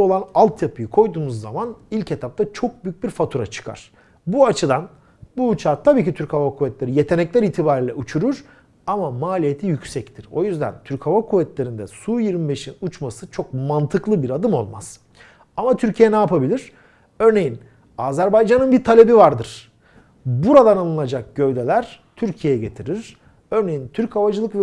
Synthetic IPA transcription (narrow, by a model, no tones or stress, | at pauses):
o̞lˠanalˠt̪ʰjapʰɯjɯkʰo̞jd̪uːmuzːa̰manilʲcʰet̪ʰap̚t̪ʰat͡ʃʰo̞k̚byjyc̚biɾfat̪ʰuɾa̰t͡ʃʰɯ̥kʰa̰ɾ̥ | buat͡ʃʰɯd̪an | buːt͡ʃʰaɾt̪ʰabiːcit̪ʰyɾchavakʰuvɛt̪lʲe̞ɾije̞t̪ʰe̞nɛclʲæɾiːt̪ʰibaːɾiːlʲɛʔut͡ʃʰuɾuɾ̥ | amamaːlʲijet̪ʰijycsɛct̪ʰiɾ̥o̞̰jyzd̪æ̰nt̪ʰyɾchavakʰuvɛt̪lʲe̞ɾind̪ɛ̰sujiɾmibe̞ʃinut͡ʃmasɯt͡ʃʰo̞k̚mant̪ʰɯklˠɯbiɾad̪ɯmo̞̰lˠmaz̥ | amat̪ʰyɾcʰijɛnaːpabilʲiɾ̥ | ø̞ɾne̞jin | aːzæɾbajd͡ʒanɯnbiɾt̪ʰalʲe̞bivaɾd̪ɯɾ̥ | buɾad̪analˠɯnad͡ʒak̚ɟ̥øvd̪e̞lʲæɾ̥t̪ʰyɾcʰijejɛɟe̞t̪ʰiɾiɾ̥ | ø̞ɾne̞jint̪ʰyɾchavad͡ʒɯlˠɯkvɛ